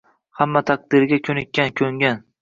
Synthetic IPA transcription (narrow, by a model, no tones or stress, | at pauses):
hamːat̪ʰaq̚d̪ɪɾɡʲakʲʰɵnɪkʲːankʲʰɵŋʲan